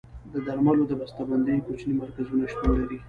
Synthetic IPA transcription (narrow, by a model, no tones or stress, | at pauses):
d̪əd̪aɾmalod̪əbast̪aband̪ajkot͡ʃnimaɾkazunaʃt̪unlaɾi